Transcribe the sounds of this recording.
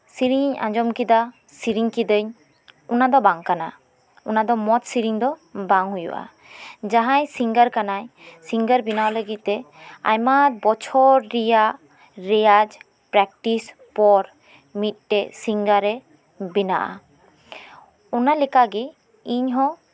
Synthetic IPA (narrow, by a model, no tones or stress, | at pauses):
siɾiɲã̰d͡ʒɔmkid̪a | siɾiŋkid̪əɲ | unad̪ɔbaŋkana̰ | unad̪ɔmɔt̪̚siɾiŋd̪ɔbaŋɦujṵʔa̰ | d͡ʒaɦãjsiŋɡəɾkanajsiŋɡəɾbinawləɡit̪̚ːɛ | a̰jmat̪̚bɔt͡ʃʰɔɾɾijaʔ | ɾɛjad͡ʒ | pɾɛk̚ʈis | pɔɾ | mit̪̚ʈɛsiŋɡaɾɛ | bina̰ʔa̰ | ɔnalɛkaɡi | iɲɦɔ̃